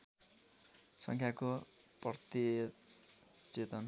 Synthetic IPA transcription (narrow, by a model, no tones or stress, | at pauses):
sʌ̰ŋkʰjako | prʌt̪i | t͡set̪ʌn